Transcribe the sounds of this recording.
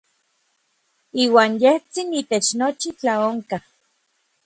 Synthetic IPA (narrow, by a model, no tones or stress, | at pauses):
iːwaːnjeht͡sinit̪et͡ʃnot͡ʃit͡ɬaoŋka